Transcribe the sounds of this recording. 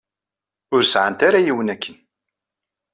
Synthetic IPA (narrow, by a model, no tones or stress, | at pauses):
ʊɾsʕənt̪aɾajiwənækʰːən